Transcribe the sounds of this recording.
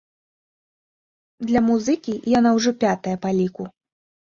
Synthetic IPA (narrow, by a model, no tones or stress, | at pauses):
d̪lʲɐmuzɨkʲijanawʐɔpʲat̪ɐjɐpalʲiku